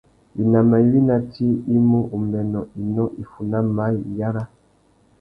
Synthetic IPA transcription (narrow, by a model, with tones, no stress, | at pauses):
i˨na˨ma˨i˨˦wi˦na˨tʰi˦i˦mu˦ʔu˨mɛ˨nɔ˨i˨nɔ˦ʔi˨fu˨na˦ma˦i˨ja˦ɾa˦